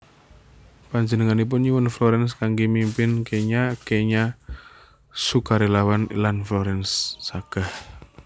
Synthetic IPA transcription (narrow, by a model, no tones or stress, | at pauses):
paɲd͡ʒənəŋanip̬ʊnɲiwʊnflɔɾɛns̬kaŋɡimimpɪnkeɲakeɲa | sukaɾelawanlanflɔɾɛnsːaɡ̥a̤h